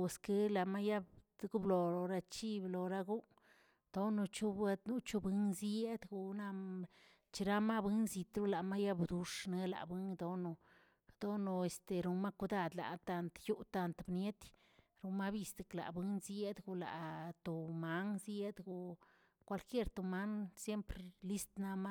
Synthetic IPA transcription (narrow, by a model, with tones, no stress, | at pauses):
ske˧la˨ma˦ja˦bɡu˦blo˨o˨ɾa˧t͡ʃi˦blo˨ɾa˦ɡu˦ | d̪̥o˦no˧t͡ʃu˦b̪nu˦t͡ʃu˧bɨ˦ŋzje˦d̪ɡu˧na˧ | t͡ʃi˧ɾa˦ma˦bɨ˦nzi˧t̪ɾu˦la˨ma˦ja˦bd̪u˧ʂne˧la̰˨bɨ˦ŋd̪o˧no˧ | d̪̥o˦no˧e˨st̪e˨ɾu˧ma˦ku˧d̪a˧˨d̪la̰˨t̪a˧nt̪ju˦t̪a˧nt̪bnje˦t̪ | ɾu˨˧ma˦bi˧sd̪e˨kla̰˨bɨ˦nzje˦d̪ɡu˧la̰˨t̪o˨ma˦ŋzje˦d̪ɡu˨ | kʷa˧lkje˦ɾt̪o˨ma˦ŋsje˦mpɾe˧li˦st̪na˧ma˦